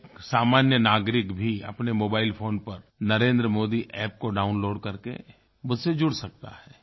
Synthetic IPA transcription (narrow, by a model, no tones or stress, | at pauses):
saːmaːnjənaːɡɾɪkbʱiɐ̰pnemoːbaːɪlpʰoːnpɐɾnɐɾẽːnd̪ɾəmoːd̪iʔɛːpkoɖaːʊnloːɖkɐɾkḛ | mʊd̪ʱsed͡ʒʊɽsɐk̚t̪a̰hɛː